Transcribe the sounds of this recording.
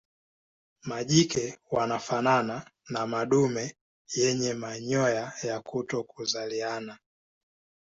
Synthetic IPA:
maʄikɛwanafanananamaɗumɛ | jɛɲɛmaɲɔjajakutɔkuzaliana

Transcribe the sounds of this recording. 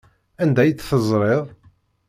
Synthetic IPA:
ænd̪æjət͡sːθəzˤɾˤeðˤ

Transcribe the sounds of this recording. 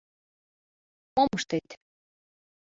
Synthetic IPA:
moməʃt̪et̪

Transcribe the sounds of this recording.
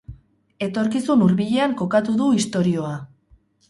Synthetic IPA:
e̞t̪o̞ɾkisunuɾβiʎe̞aŋko̞kat̪uðuist̪o̞ɾio̞a

